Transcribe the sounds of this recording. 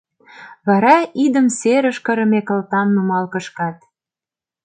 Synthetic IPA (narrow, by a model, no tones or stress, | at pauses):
βɑɾɑid̪əmseɾə̆ʃkə̆ɾə̆mekə̆lt̪ɑmnumɑlkə̆ʃkɑt̪̚